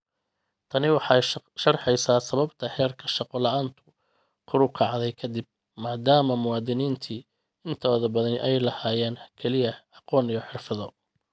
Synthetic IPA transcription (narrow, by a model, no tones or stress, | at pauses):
t̪ʰɐnɪwɑħɑjʃɐrħɛjsaːsɐβɐbt̪ʰɐhɛːrkʰɐʃɑqɔlɐʔaːnt̪ʰʊ̥ | kʰʊɾʊkʰɑʕd̪ɛjkʰɐd̪ɪb̚ | maːd̪aːmɐmʊwɑːd̪ɪniːnt̪ʰi | ɪnt̪ʰɔːðɐbɐðɐnɪʔɛjlɐhaːjɛːnkʰɛlɪjɐɑqɔːnijɔħɪrfɐðɔ